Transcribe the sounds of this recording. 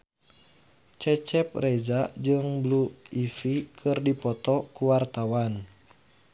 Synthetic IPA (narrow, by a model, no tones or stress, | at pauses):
t͡ʃɛt͡ʃɛp̚rɛd͡ʒad͡ʒɨŋbluifikʰɨrdipɔt̪ɔkuwart̪awan